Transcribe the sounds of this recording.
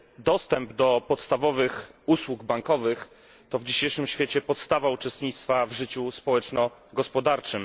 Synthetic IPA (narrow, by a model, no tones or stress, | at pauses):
d̪ɔst̪ɛmbd̪ɔpɔt̪st̪avɔvɘxuswuɡbaŋkɔvɘx | t̪ɔvd͡ʑiɕejʂɘmɕfʲjeɛt͡ɕɛpɔt̪st̪avaut͡ʂɛst̪ɲit̪st̪favʐɘt͡ɕuspɔwɛt͡ʂnɔɡɔspɔd̪aɾt͡ʂɘm